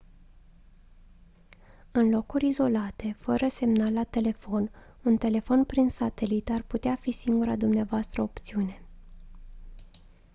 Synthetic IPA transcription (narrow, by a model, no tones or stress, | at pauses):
ɨnlo̞kurʲizo̞lat̪e̞fəɾəse̞mnalːat̪e̞le̞fo̞n | unt̪e̞le̞fo̞npɾinsat̪e̞lit̪arput̪eafisiŋɡuɾa̰d̪umneavoast̪ɾəopt̪siune̞